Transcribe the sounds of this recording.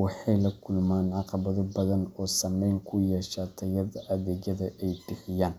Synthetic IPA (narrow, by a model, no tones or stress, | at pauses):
wɑħɑjlɐkʰʊlmaːnʕɑqɑβɐðɔbɐðɐnɔːsɐmɛjŋkʰʊjɛʃat̪ʰɐjɐðɐʔɐðɛːd͡ʒɐðɐʔɛjbɪħɪjaːn